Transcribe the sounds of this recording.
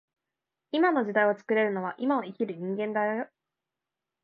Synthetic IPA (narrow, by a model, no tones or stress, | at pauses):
imano̞ʑid̪aio̞t͡sɨ̥kɯ̟ɾe̞ɾɯ̟no̞β̞aʔimaoikʲiɾɯ̟ɲ̟ĩŋɡẽ̞nd̪ajojo